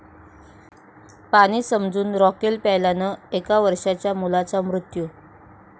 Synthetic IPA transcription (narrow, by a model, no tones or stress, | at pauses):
paɽ̃iːsəmd͡zuːnɾɔkelpɛjlanəekaʋəɾʂat͡ɕjamulat͡samɾut̪ju